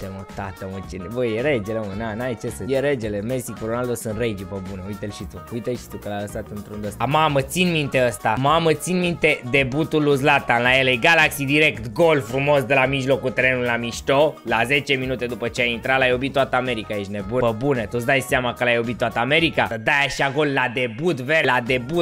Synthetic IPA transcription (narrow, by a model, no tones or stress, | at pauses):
t̪emot̪at̪əmot͡ʃenvojeɾed͡ʒelomənanajt͡ʃesəjeɾed͡ʒelemesikuɾonald̪osɨnrejd͡ʒipəbuneujt̪elʃit̪ukujt̪eʃi̥t̪ukəlajləsat̪ɨnt̪ɾund̪əsmamət̪sinmint̪e̞əst̪amamət̪sinmint̪e̞d̪e̞but̪uluzlat̪anlajelejɡalaksid̪iɾekt̪ɡo̞lfɾumo̞sd̪elamiʒlo̞kut̪ɾenullamiʃt̪olazet͡ʃe̞minut̪e̞d̪upət͡ʃeajint̪ɾalajo̞bit̪ːoat̪əame̞ɾikait͡ʃʲnebuəbunet̪ot̪sd̪ajseamakəlajo̞bit̪ːoat̪əame̞ɾikaəd̪ajaʃiaɡo̞lːad̪ebut̪velad̪e̞but̪